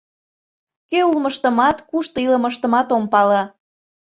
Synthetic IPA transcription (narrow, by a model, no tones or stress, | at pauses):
keulməʃt̪əmɑt̪kuʃt̪oiləməʃt̪əmɑt̪ompɑlɑ